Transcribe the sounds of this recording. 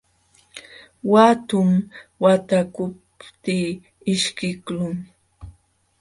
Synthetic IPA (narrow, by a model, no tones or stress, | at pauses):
wat̪ʊmwat̪akʊp̚ | t̪iː | ɪʃkɪklʊŋ